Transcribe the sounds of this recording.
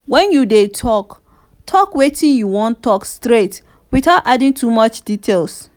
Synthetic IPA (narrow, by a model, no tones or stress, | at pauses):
wɛ̃njudetʰɔk | tʰɔkwetĩnjuwɔ̃ntʰɔkstɹet | wiθaʊtadĩŋtʰumɔt͡ʃd̥itʰels